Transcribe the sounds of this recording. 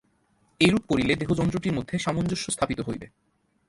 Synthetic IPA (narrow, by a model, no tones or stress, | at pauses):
ejɾup̚koɾiled̪eɦod͡ʑɔnt̪ɾoʈiɾmod̪ʱːeʃamond͡ʑoʃːost̪ʰapit̪oɦojbḛ